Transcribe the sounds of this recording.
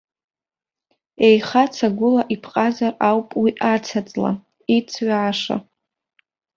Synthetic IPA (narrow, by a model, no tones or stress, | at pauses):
ejχat͡sʰaɡʷʊlaʔipʰqʼazarawpʼwiʔat͡sʰat͡sʼla̰ | it͡sʰɥʕaʂa̰